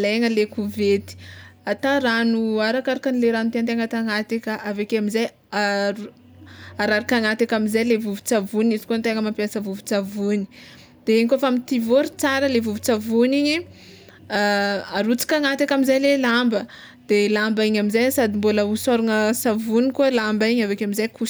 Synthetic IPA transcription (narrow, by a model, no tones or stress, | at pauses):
leŋəlekuvet̪i̥at̪aɾanuaɾakaɾakanileɾanut̪eant̪eŋat̪aŋat̪ikʲaʔavekeamizaj | au | aɾaɾikaŋat̪ikamizajlevuvu̥t͡savunizi̥kont̪eŋəmampjasəvuvu̥t͡savuni̥ | d̪̥eeɲikofamit̪ivoɾit͡saɾəlevuvut͡savuniɲi | aɾut͡si̥kʲaŋat̪akʲamizajlelambə | d̪̥elambaiɲamizajsad̪imboləusaɾuŋəsavunikuəlambaiɲavekeamizajkʰus